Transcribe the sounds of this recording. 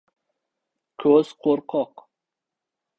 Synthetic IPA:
kʰɵz̥qʰoɾqʰɔq

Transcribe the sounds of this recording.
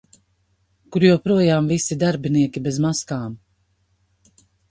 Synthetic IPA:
kuɾjuwpɾuɔjaːmvisid̪aɾbiniɛkʲibezmaskaːm

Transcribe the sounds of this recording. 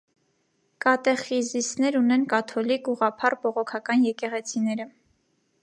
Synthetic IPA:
kɑt̪ɛχizisnɛɾunɛnkɑt̪ʰɔlikuʁɑpʰɑrbɔʁɔkʰɑkɑnjɛkɛʁɛt͡sʰinɛɾə

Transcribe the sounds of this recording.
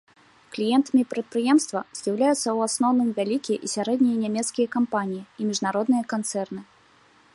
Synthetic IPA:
klʲijɛnt̪ɐmʲipɾɐt̪̚pɾɨjɛmst̪vɐz̥ʲjawlʲajut̪sːɐwasnɔwnɨmvʲalʲikʲijɛʔisʲaɾɛd̪nʲijɐnʲamʲɛt̪skʲijɐkampanʲijiimʲiʐnaɾɔd̪nɨjɐkant̪sɛrnɨ

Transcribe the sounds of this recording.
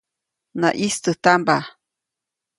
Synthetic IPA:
na̰ʔist̪ət̪amba

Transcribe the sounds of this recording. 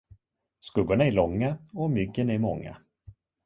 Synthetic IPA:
skɵɡːʊɳaæɭɔŋːaɔmʏɡːənæɾmɔŋːa̰

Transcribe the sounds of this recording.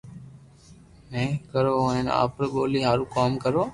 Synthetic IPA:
mẽːkəɾoːena̰ːpɾɠoːliːɦaːɾũːkaːmkəɾoː

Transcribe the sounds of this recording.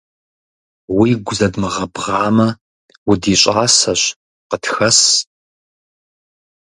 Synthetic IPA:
wiːɡʷʊzɐdmɨʁɐbʁɑːmɐ | wʊdiːɕʼaːsɐɕ | qətxɐs

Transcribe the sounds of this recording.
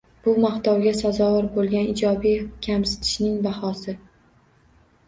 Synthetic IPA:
b̥ʊmaχt̪ɒwɡʲasazɒwaɾbolˠɡʲanɪd͡ʒɒbijkʲʰamsɪ̥t̪ʰɪ̥ʃnɪŋbahɒsɪ

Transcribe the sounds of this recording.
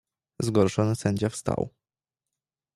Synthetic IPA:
zɡɔɾʂɔnɘsɛɲd͡ʑafst̪a̰w

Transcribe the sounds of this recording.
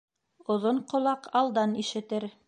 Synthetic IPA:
ŏðoɴqŏlˠɑqɑlˠd̪ɑniʃɘ̆t̪ɘɾ

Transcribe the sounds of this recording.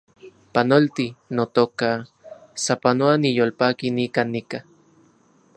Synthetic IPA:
panolt̪inot̪okasapanoanijolpakinikanːika

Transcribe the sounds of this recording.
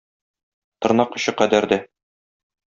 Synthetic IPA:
t̪ŏɾnɑqŏɕɤqæd̪æɾd̪æ

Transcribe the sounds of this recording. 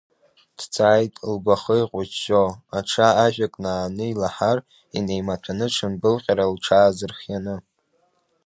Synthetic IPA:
d̥t͡sʰʼaːjtʼlɡʷaχəiqʷʼʊt͡ʃʃoaʈ͡ʂʰaaʒᶣʷakʼnaːnɨilaħar | ḭne̞jmatʷʰanɨʈ͡ʂʰɨnbɨlqʲʼaɾalʈ͡ʂʰaːzɨrχjanɨ

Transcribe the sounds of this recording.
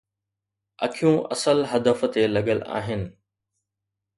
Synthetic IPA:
ɐ̰kʰijũʔɐ̰səlɦɐd̪əft̪elɐɠəla̰ːɦɪnɪ̆

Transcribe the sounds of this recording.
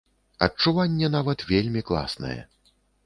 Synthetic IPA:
ɐt͡ʂuvanʲːɛnavɐt̪vʲelʲmʲiklˠa̰snɐ̰jɛ̰

